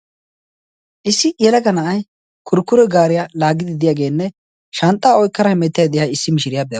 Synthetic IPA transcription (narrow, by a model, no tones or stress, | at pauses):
ʔɪsːɪʔjɛlɐkɐnɐʔɐj | kʰʊɾkːʊɾɛɡaːɾɪjalaːɡɪd̪ɪd̪ɪjaːɡe̞ːnːɛ | ʃɐnt̪ʼːaːɔjkːɐɾɐhɪmɛt̪ːɪjad̪ɪjaɪsːɪmɪʃɪɾɪjaːbɛjɐ